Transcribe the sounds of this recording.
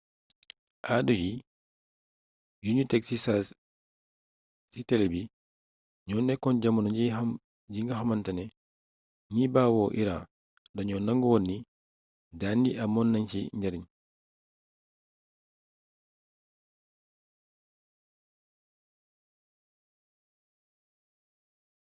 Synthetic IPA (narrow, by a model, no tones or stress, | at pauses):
ʔaduji | juɲutɛksisas | sitɛlɛbi | ɲɔːnːɛkːɔnɟamunɔi | ɟiŋɡahamantanɛ | ɲibaːwɔːʔiɾã̰ː | daɲɔnːaŋɡuwɔnːi | daːndiʔamɔnːaɲt͡ʃiɲɟaɾiɲ